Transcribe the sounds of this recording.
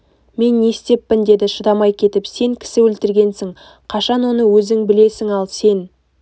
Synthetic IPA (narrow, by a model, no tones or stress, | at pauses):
me̞nːe̞st̪e̞pːɪnd̪e̞d̪ɪʃəd̪ɑmɑjkʲʰe̞t̪ɪpse̞ŋkʲʰɪ̥sɪwɵlt̪ɪɾɡʲe̞nsɪŋ | qʰɑʃɑnwo̞nəwɵzɪŋbɪle̞sɪŋɑlˠse̞n